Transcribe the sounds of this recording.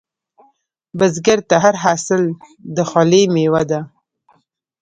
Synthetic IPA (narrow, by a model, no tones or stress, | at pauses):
bazɡaɾt̪aɦaɾɦasɪl | d̪əxɑlemewad̪a